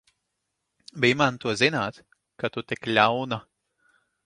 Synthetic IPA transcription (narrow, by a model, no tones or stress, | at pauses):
bimant̪uɔzinaːt̪ | kat̪ut̪iklʲawna